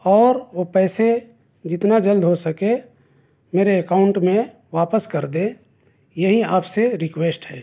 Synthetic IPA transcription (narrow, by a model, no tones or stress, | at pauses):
ɔːɾʋopɛːse | d͡ʒɪt̪nad͡ʒəld̪ɦosɐke | meːɾeəkaːʊ̃ɳʈmẽ | ʋaːpəskɐɾd̪ẽ | jɐɦiaːpseɾɪkweːsʈɦɛː